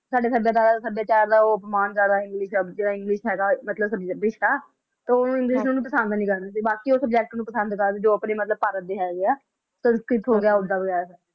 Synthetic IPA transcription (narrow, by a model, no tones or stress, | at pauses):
saːɖeːsəbjaːt̪aːɾsəbjaːt͡ʃaːɾd̪aːoːəpmaːnkəɾd̪aːɪ̃ŋɡlɪʃd͡ʒeːɽaːɪŋɡlɪʃɦɛːɡaːmət̪ləbsəbd͡ʒbɪʃʰʈaː | t̪eonũːɪ̃ŋɡlɪʃnũːnũpəsə̃nd̪nĩːkəɾd̪aːsiːbaːkiːoːsəb̚d͡ʒɛːk̚ʈnũːpəsə̃nd̪kəɾd̪eːd͡ʒoːəpneːmət̪ləb̚paːɾət̪̚d̪eːɦɛːɡeaː | səbskɾɪʈɦoːɡɪjaːʊd̪aːʋəɡɛːɾs